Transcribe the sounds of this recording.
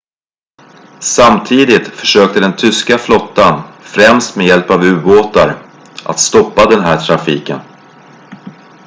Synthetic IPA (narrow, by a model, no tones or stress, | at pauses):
samt̪ʰiːd̪ɪt̪fœ̥ʂøːk̚t̪əd̪ɛnt̪ʰʏskaflɔt̪ːanfɾɛmst̪mɛjɛlpavʉ̟ːboːt̪aɾ | ʔa̰t̪st̪ɔpːad̪ɛnɦæːʈʰɾafiːkən